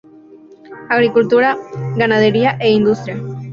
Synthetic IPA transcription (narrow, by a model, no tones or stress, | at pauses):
aɣɾikult̪uɾaɣanað̞eɾiaʔeind̪ust̪ɾija